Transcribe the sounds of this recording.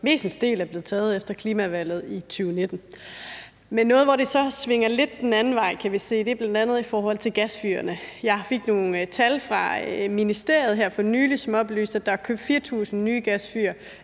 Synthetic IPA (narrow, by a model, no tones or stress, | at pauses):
me̝̰ːsn̩sd̥e̝̰ːlæɐb̥le̝ð̩ˠt͡sʰɛːð̞̩ˠefd̥ɐkʰliːmæʋæl̰ð̩ˠit͡sʰyːʊne̝d̥n̩ | menːɔ̽ːð̩ˠʋɒɾ̥e̝sɒ̽sʋe̝ŋ̰ɐle̝d̥̚ːenænn̩ʋɑ̈ɪ̰kʰæʋise̝̰ːd̥e̝b̥lænd̥ænð̞̩ˠifɒːhɒ̽l̰t͡sʰe̝lɡ̥æsfy̰ːɐnəjɑ̈ɪfe̝ɡ̥no̝ːn̩t͡sʰælfʁɑ̈minisd̥e̝ɐ̰jð̞̩ˠɦæɐ̰fɒ̽nyːlisɒ̽mɒ̽b̥ly̰ːsd̥æ̥ɑæɐkʰøb̥̚fiːɐt͡sʰṵːsn̩nːyːɡ̥æsfyːɐ